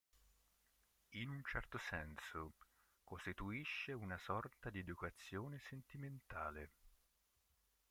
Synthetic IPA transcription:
inunt͡ʃɛrt̪osɛnso | kost̪it̪uiʃːeunasɔrt̪ad̪ied̪ukat̪sːjoːnesent̪iment̪aːle

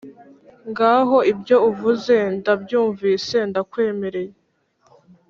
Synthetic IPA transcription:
ŋɡaːɦo̞ibjo̞uvuze̞ndabjuːɱviːse̞ndakwe̞ːme̞ɾe̞je

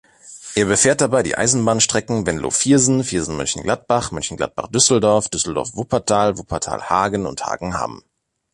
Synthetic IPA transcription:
ʔeːɐbəfɛːɐt̚d̥abaɪdḭːʔa̰ɪzn̩baːnʃtʁ̥ɛkŋ̩vɛnlo̰ːfiːɐzn̩fiːɐzn̩mʏ̰nçn̩ɡlat̚b̥aχmʏnçn̩ɡla̰t̚b̥a̰χd̥ʏsl̩dɔɐfd̥ʏsl̩dɔ̰ɐfv̥opʰɐtʰaːlvopʰɐtʰa̰ːlhaːɡənʊ̰ntha̰ːɡŋ̩ha̰m

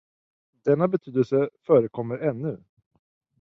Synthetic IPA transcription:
d̪̥ɛnːabɛt̪ʰyːd̪əlsəfœːɾəkʰɔmːəɾɛnːɵ

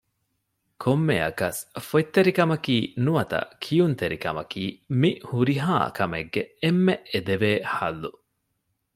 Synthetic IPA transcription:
kʰomːeɐ̰kɐsfot̪ːeɾikɐmɐkiːnuʋɐt̪ɐ̰kʰijunt̪eɾikɐ̰mɐkiːmihuɾiɦa̰ːkʰɐmeɡːeemːeed̪eʋeːhɐ̰lːu

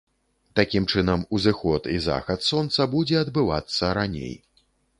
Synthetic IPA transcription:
t̪akʲimt͡ʂɨnɐmuzɨxɔt̪iza̰xɐt̪sɔnt̪sɐbud͡zʲɛɐd̪bɨva̰t̪sːɐɾanʲḛj

